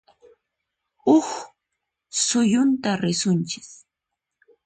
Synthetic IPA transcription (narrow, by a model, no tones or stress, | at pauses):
ʊx | sʊjʊnt̪aɾɪsʊnt͡ʃɪ̥k